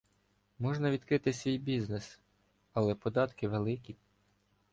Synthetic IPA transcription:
mɔʒnɐʋʲid̪kɾɪt̪ɪsʲʋʲijbʲiznes | ɐlˠɛpɔd̪ɑt̪kɪʋelˠɪkʲi

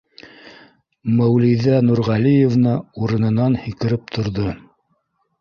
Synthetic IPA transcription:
mæwlijðænuɾʁɑlijevnɤuɾɤ̆nɤ̆nɑnhikɘ̆ɾɘp̚t̪ʰŏɾðo

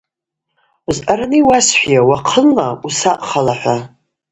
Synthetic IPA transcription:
uzʔaɾaniwasħʷᶣjawaqʰəlnausaʔχalaħʷa

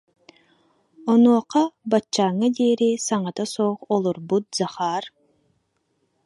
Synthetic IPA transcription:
ɔnuɔqabat͡ʃːaːŋad̪eːɾisaŋat̪asɔːχɔlˠuɾbut̪̚z̥aχaːɾ

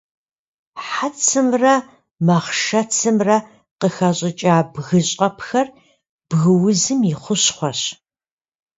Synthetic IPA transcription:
ħat͡sʰɨmrɐ | mɐχʃɐt͡sʰɨmrɐ | qəxɐɕʼɪt͡ʃʼaːbɣɨɕʼɐpxɐr | b̥ɣɨwʊzɨmiχʷʊɕχʷɔɕ

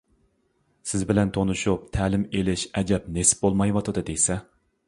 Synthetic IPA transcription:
sɪzbɪlɛnt̪ʰonɨʃup̚t̪ʰæːlɪmelɪʃɛd͡ʒɛp̚nesɪ̥bolˠmɑjwɑt̪ʰɨd̪ɨd̪ejsɛ

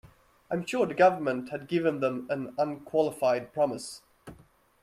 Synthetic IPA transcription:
ãɪ̃mʃʊːðɨɡʌvə˞mə̃nthɨd̚ɡɪvə̃nðə̃mə̃nʌ̃nkʰw̥ɑlˠəfaɪd̚pʰɹ̥ɑməs

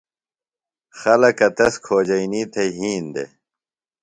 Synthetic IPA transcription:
xɐlɐkɐt̪ɐskʰoːd͡ʑɐjniːt̪ʰɐjɦiːnd̪ḛ

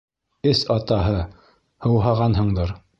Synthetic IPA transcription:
ɘsɑt̪ɑɦɤ | hɤ̆wɦɑʁɑnɦɤ̆ɴd̪ɤɾ

